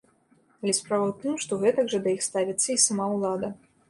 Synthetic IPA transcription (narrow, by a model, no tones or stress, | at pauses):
alʲɛspɾavɐwt̪ɨmʂt̪ɔɣɛt̪ɐɡʐɐd̪ɐjixst̪avʲit̪sːɐisamawlˠad̪ɐ